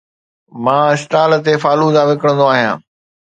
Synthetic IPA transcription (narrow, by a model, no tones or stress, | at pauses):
mãːɪsʈaːl̆t̪efaːluzãʋɪkəɽ̃ə̃nd̪oaːɦijã̰ː